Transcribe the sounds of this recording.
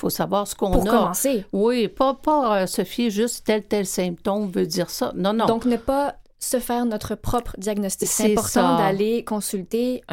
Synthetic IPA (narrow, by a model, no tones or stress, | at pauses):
fosavwaːʁsə̥kɔ̃puʁnkɔmɑ̃sewipapaøsɔfeʒyst̪t̪ɛlt̪ɛlsɛ̃p̚t̪omvød͡z̪iːʁsɔnɔ̃nɔ̃d̪ɔ̃knəpa | səfɛːʁnɔt̪χəpχɔpχəd̪jaɡnɔst̪isɛ̃epɔʁtsɑ̃d̪alekɔ̃sylt̪e